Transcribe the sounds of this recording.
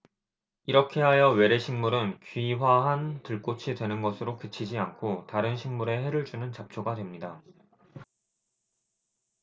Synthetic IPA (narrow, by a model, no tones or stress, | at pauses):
iɾʌkʰe̞ɦajʌwe̞ɾe̞ɕʰiŋmuɾɯnkɥiwaɦantɯɭk͈ot͡ɕʰidwe̞nɯnɡʌsʰɯɾokɯt͡ɕʰid͡ʑiankʰotaɾɯnɕʰiŋmuɾe̞he̞ɾɯɭt͡ɕ͈unɯnt͡ɕap̚t͡ɕʰoɡadwe̞mɲida